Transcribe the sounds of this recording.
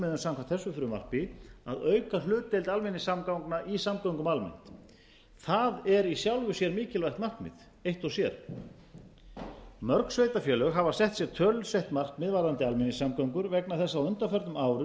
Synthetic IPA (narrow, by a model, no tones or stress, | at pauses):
mɪðʏnsawmkʰant̪θɛsːʏfʏɾʏma̰r̥k̚pɪa̰ðœɥkalʏːt̪ːejlt̪almɪnːɪsːamkawŋknaʔisamkawŋkʏmalmɪ̰n̥t̪ | θaðɛɾisjawlvʏsjɛɾmiːcɪlvajxt̪mar̥kmɪ̰ð | ejht̪ɔsjɛɾ̥ | mœɾksvejt̪afjɛːlœɣɦavasɛht̪sjɛɾt̪ʰœlʏseht̪mar̥kmɪːðvaɾðant̪ɪalmɪnːɪsamkaɥŋkʏɾvɛknaθɛsːaawʏnt̪afœɾt̪ʏmaːwɾʏ